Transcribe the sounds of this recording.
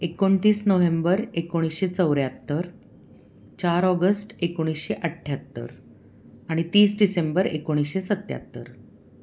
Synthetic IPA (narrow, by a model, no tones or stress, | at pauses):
ekoɳt̪iːsnoʋembəɾekoɽ̃isɕet͡səwɾjat̪ːəɾ | t͡ɕaɾɔɡəsʈekoɽ̃isɕeʔəʈʰːjat̪ːə̰ɾ | aɽ̃it̪iːsɖisembəɾḛkoɽ̃isɕesət̪ːja̰t̪ːə̰ɾ